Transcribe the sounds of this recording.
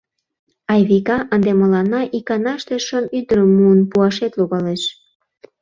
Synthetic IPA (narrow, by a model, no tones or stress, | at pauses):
ɑjβikɑʔənd̪eməlɑnːɑʔikɑnɑʃt̪eʃomyd̪əɾəmːuənpuɑʃet̪luɣɑleʃ